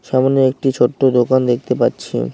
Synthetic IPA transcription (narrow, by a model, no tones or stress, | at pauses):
ʃamoneek̚ʈit͡ɕʰoʈːod̪okand̪ek̚ʰt̪epatːɕʰḭ